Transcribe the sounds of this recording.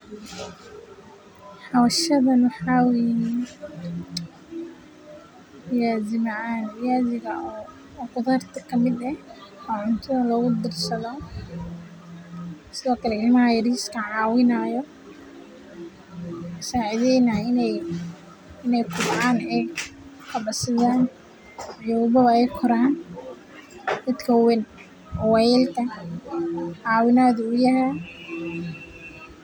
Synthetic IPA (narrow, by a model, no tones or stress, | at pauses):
ħawɐʃɐðɐnħaːwɛnin | jaːzɪmaanɪjaːzɪɣɐ | qʊðaːrt̪ʰɐkʰɐmɪd̪ɛɔːʕʊnt̪ʰɔlɔːɣʊd̪ɪrsɐðɔ | sɪðɔːkʰɐlɛɪlɪmɐhɐjɐriːskʰɐʕɑːwɪnaːjɔ | saːʕɪðɛjnaɪnɛj | ɪnɛjkʰʊbʕaːnɛj | kʰɐbɐsɪðaːn | ijɔwbɐβɐɛjkʰɔɾaːn | d̪ɐt̪kʰɐwɪn | wɛlt̪ʰɐ | ʕɑːwɪnaːðʊjɐɦɛ